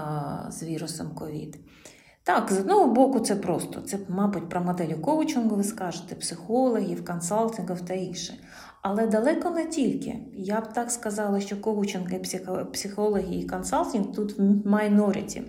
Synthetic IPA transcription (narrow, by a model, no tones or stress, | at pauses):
zʋʲiɾʊsɔmkɔʋʲḭd̪ | t̪ɑkzɔd̪nɔɦɔbɔkʊt̪sɛpɾɔst̪ɔ̰t̪sɛmɑbʊtʲpɾɐmɔd̪ɛlʲʊkɔʋʊt͡ʃɪnɦɔʋɪskɑʒɪt̪ɛpsɪxɔlˠɔɦʲiwkɔnsɑlˠtʲɪnɡɔwt̪ɐinʃɪ | ɐlˠɛd̪ɐlˠɛkɔnɛtʲilʲkɪ̰jabt̪ɑkskɐzɑlˠɐʃt͡ʃɔkɔʋʊt͡ʃɪnɦɪpsʲɪpsʲɪxɔlˠɔɦʲiikɔnsɑlʲˠtʲinɡt̪ut̪mɑjnɔɾʲɪ̰t͡sʲḭ